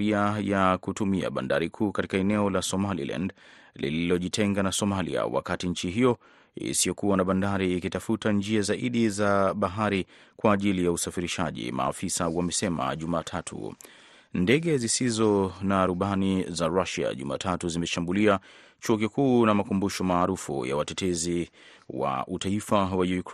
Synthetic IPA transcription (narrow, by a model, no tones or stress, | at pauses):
iajakutumia̰ɓa̰nda̰ɾikʰuːkati̥kaɛnɛɔlasɔmalḭlʔa̰nd | lḭlilɔʄitʰɛŋɡanasɔmalḭa̰wa̰katiɲ̩t͡ʃiɦijɔ | ḭsiɔkuwanaɓandaɾiːkitafutand͡ʒiazaʔiɗizaɓaɦaɾi | kwaːʄilijausafiɾiʃaʄḭma̰ːfisawamɛsɛma̰ʄumaːtʰatʰṵ | ndɛɠɛzisizɔnaːɾuɓanizaɾaʃia̰ʄṵma̰ːtʰatuzimɛʃambulia | t͡ʃuɔkikuːnamakumbuʃɔmaːɾufṵja̰watɛtɛzi | wa̰ʔutaifawajujuk